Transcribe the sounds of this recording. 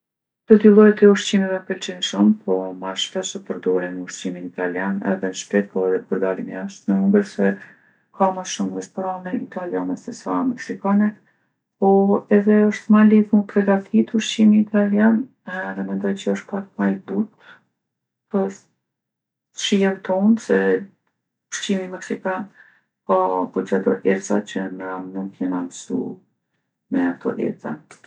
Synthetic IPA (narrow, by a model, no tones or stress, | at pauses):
t̪ɔt̪ilˠɔjt̪ɛuɾt͡ɕimɛvɛpəlt͡ʃinʃumpʰɔmaʃfɛʃəpəɾd̪ɔɾinuɾt͡ɕiminit̪aljanɛ̰ðɛnʃp̪ɛt̪̚pɔɛðɛpəɾd̪alimɛ̰aʃt̪mɛmumɡəɾsɛ | kʰamaʃumrɛstɾanɛit̪aljanɛsɛsamɛksikanɛ | pɔɛðɛəʃt̪maliðmupɾɛɡat̪ʰit̪uɾʃt͡ɕimiːt̪aljan | ðɛmɛnd̪ɔjt͡ɕəəʃt̪̚pak̚majd̪ut̪̚ | pəs | ʃijɛmt̪ɔnsɛ | ʃimimɛksikan | kapɔd͡ʑad̪ɔ̰ʔɛɾsa̰t͡ɕənamnumkjɛnamsṵ | mɛat̪ɔ̰ʔɛ̰ɾt͡sa̰n